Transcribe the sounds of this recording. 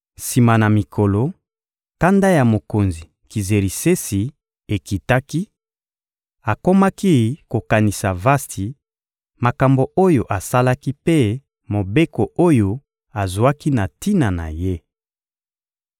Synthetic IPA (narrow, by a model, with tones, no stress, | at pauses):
si˨ma˨na˨mi˨kʰo˨lo˨ | ka˦nda˦ja˨mo˨ko˨nzi˨ | ki˨ze˨ɾi˨se˦si˨ | e˨ki˨ta˦ki˦ | a˨ko˦ma˦ki˦ko˨ka˨ni˨sa˨va˦sti˨ | ma˨ka˨mbo˨o˦jo˨ʔa˨sa˦la˦ki˦pe˦ | mo˨be˦ko˨o˦jo˨ | a˨zu˨a˦ki˦na˨ti˦na˨na̰˨je˦